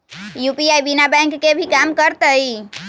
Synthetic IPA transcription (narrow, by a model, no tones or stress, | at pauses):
jupiajbinabɛ̃ŋkːebʱikamkəɾt̪əi